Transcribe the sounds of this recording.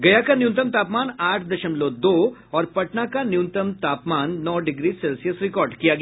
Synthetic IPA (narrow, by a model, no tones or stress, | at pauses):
ɡɐjakanjũːnt̪əmt̪aːpmaːnaːʈʰd̪ɐʃəmlod̪oːɔːɾpɐʈnakanjuːnt̪əmt̪aːpmaːnːɔːɖɪɡɾisɛːlsijəsɾɪkɔːɾɖkijaɡɐj